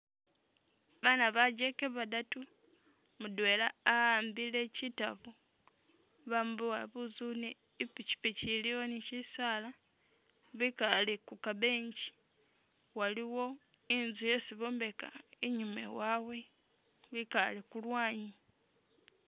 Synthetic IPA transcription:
βanaβaɟe̞keβadatu | mudwe̞laːaːmbile̞citaβu | βambuwaβuzuneː | pici̥piciliwonicisala | βikalekukaβe̞ːɲɟi̥ | waliwo̞ | inzuje̞siβo̞ːmbe̞ka̰eɲumḛwawe̞ | βikalekulwaːɲi

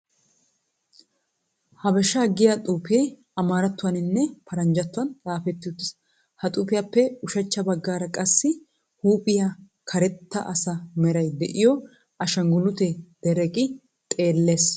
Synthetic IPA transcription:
hɐbɛʃaːɡɪjat̪ʼuːpeː | ɐmaːɾɐt̪ːʊwɐnɪnːɛpʰɐɾɐɲd͡ʒɐt̪ːʊwɐnt͡sʼaːfɛt̪ːɪʊt̪ːɪs | hɐt̪ʼupɪjapːɛʊʃɐt͡ʃːɐbɐɡːaːɾɐkʼɐsːɪ | huːpʼɪja | kʰɐɾɛt̪ːɐ̰ʔɐsɐmɛɾɐjd̪ɛʔɪjɔ | ɐʃɐŋɡʊlʊt̪ed̪̥ɛɾɛkʼɪ | t̪ʼe̞ːlːeːs

